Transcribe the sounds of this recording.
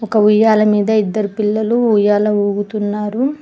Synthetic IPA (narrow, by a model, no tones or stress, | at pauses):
ɔkɐujaːlɐmiːd̪ɐid̪ːɐɾupilːɐluujaːlɐuːɡut̪unːaːɾu